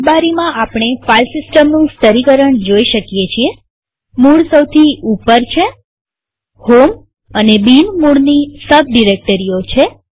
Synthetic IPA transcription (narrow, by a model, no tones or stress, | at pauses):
baɾimãapɽ̃efalsɪsʈəmnũst̪əɾikəɾəɳd͡ʒoiʃəkjet͡ʃʰie | muɽsəwt̪ʰiupəɾt͡ʃʰe | hom | ənebinmuɽnisəbɖiɾek̚ʈəɾiot͡ʃʰe